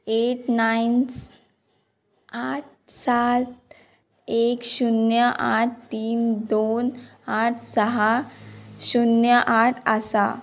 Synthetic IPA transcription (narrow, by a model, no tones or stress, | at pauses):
eʈnajns | aʈ̚sat̪̚ | ekɕunjəʔaʈʰt̪iːnd̪onaʈʰsəɦa | ɕunjəʔaʈʰəsa